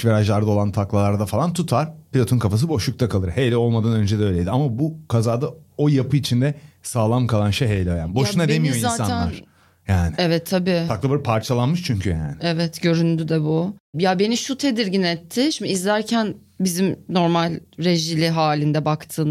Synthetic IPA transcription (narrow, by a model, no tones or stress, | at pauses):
ʃveɾaʒlˠaɾd̪ao̞lˠant̪ʰaklˠalˠaɾd̪afalˠant̪ʰut̪ʰaɾ̥pʰilʲo̞t̪ʰonkʰafas̬ɯbo̞ʃuk̚t̪ʰakʰalˠɯɾhejlʲɛo̞lˠmad̪anø̞nd͡ʒɛd̪ɛø̞jlʲejd̪iamabukʰazaːd̪ao̞japɯit͡ʃʰind̪ɛsaːlˠamkʰalˠanʃejɦejlʲɛojˠa̰nbo̞ʃunad̪emijoizaːt̪sanˠaɾ | jaːnɪɛvɛt̪ʰːabiːaklˠabaɾpʰaɾt͡ʃʰalˠanmɯʃt͡ʃʰyɲcʰyja̰ːnɪɛvɛt̪ɟø̞ɾynd̪yd̪ɛbujabe̞niʃut̪ʰe̞d̪iɾɟinɛt̪ʰːɪʃimiːzlʲæɾcʰæn | bizimno̞ɾmalʲɾe̞ʒilʲiɦaːlʲind̪ɛbakt̪ʰɯːn